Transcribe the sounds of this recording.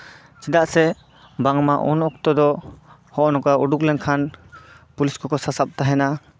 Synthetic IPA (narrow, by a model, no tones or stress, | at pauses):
t͡ʃid̪aʔsɛ | baŋmaʔṵnɔk̚t̪ɔd̪ɔ | hɔʔɔnɔkaʔuɖuklɛŋkʰan | puliskɔkɔsasap̚t̪aɦɛna